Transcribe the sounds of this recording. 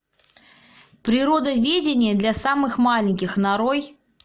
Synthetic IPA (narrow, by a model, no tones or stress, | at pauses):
pɾʲɪɾo̞d̪əvʲedʲɪnʲɪjəd̪lʲɐsamɨxmalʲɪnʲkʲɪxnaɾoj